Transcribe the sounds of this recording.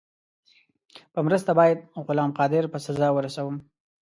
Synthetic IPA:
pəmɾəst̪abɑjad̪̚ɣʊlɑmqɑd̪ɪɾpəsazɑwəɾasawəm

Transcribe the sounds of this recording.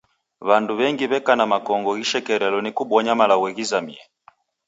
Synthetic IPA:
βanduβɛŋɡiβɛkanamakɔŋɡɔɣiʃɛkɛɾɛlɔnikuɓɔɲamalaɣwɛɣizamiɛ

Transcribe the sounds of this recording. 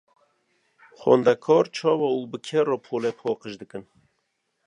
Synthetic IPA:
xɔ̰ːnd̪ækʰɔːɾt͡ʃʰɔːwɔuːbɨkʰɛrɔːpʰoːlɛpʰɔːqəʃd̪ɨkɨn

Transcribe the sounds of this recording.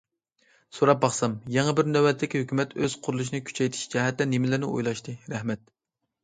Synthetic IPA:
soɾɑp̚bɑχsɑmjɛŋəbɪɾnɛwɛt̪ʰːɪkʲihøkʲymɛt̪øz̥qʰʊɾulˠuʃ̬inɨɪkʲʰy̥t͡ʃʰɛjt̪ʰɪ̥ʃd͡ʒɛɦɛt̪lɛnemɪlɪɾnɪʔo̰jlˠɑʃt̪ʰɨɾɛhmɛt̪̚

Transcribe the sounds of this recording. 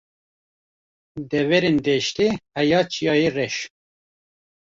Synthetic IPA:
d̪ɛvɛɾend̪ɛʃt̪ehɛjɑːt͡ʃʰijɑːjerɛʃ

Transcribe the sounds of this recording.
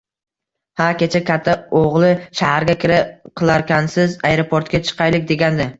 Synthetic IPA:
hakʲe̞t͡ʃʰakʲʰat̪ʰːaoʁlˠɪʃahaɾɡʲakʲɪɾɪqʰɨlˠaɾkʲansɪzajɾopʰoɾt̪kʲat͡ʃʰɨ̥qʰɑjlɪkʲd̪e̞ɡʲand̪ɪ

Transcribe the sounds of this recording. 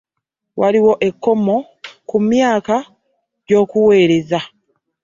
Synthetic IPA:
waliwo̞ʔe̞kːo̞mo̞ | kumjaːka | ɟo̞ːkuwe̞ːɾe̞za

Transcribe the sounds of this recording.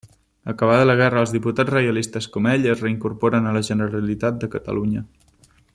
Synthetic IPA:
əkəβ̞aðələɣ̞ɛrəːlˠzðiput̪ad͡zrəjəlist̪əskɔmɛʎəzrəiŋkuɾpɔɾənələʒənəɾəlit̪at̪̚d̪əkət̪ə̰luɲə

